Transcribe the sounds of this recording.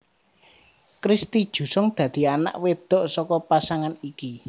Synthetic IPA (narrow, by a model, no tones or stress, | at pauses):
kɾist̪id̥ʒ̥ṳsɔŋd̪̥ä̤d̪̥i̤ana̰ʔwed̪̥ɔ̤ʔsɔkɔpasaŋaniki